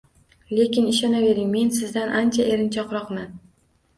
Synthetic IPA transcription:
le̞kʲɪnɪʃɒnabe̞ɾɪŋme̞nsɪzd̪anʔant͡ʃʰaʔe̞ɾɪnt͡ʃʰɒqɾɒqman

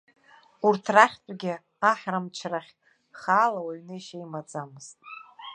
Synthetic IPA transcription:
urtʰraχʲtʷʼɡʲɪ | aħrɨmt͡ʃʰraχʲ | χaːlawaɥnɨʃejmad͡zamɨztʼ

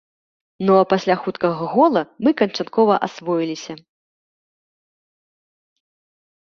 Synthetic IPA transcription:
nɔpasʲlʲaxut̪kɐɣɐɣɔlˠɐmɨkɐnt͡ʂat̪kɔvɐʔasvɔjilʲisʲɐ

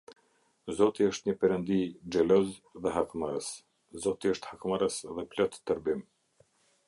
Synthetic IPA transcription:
zɔt̪iəʃt̪ɲəpɛɾənd̪id͡ʒɛlɔzðɛɦakmaɾəs | zɔt̪iəʃt̪hakmaɾəsðɛplɔt̪ːəɾbim

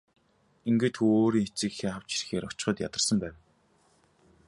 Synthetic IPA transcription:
iŋɡĕt̪xʰuoːɾiːŋet͡siːkxeːχaw̥t͡ɕi̥rxeːɾɔt͡ɕ̆χə̆t̪ja̰t̪ə̆r̥sə̆mpæːw

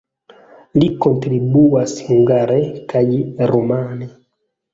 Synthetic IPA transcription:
ndikɔntɾibuwasiŋɡaɾɛkajiɾumanɛ

